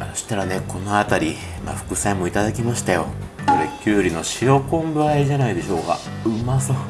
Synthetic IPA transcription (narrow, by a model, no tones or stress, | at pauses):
aoɕi̥t̪aɾane̞ko̞no̞at̪aɾʲi | ma̰ɸɯ̟̥kɯ̟sẽmːo̞it̪ad̪akʲimaɕi̥t̪ajo̞̰ko̞ɾe̞kʲɨːɾʲino̞ɕijo̞kõ̞mbɯ̟aeʑanaid̪e̞ɕo̞ːka̰ | ɯmaso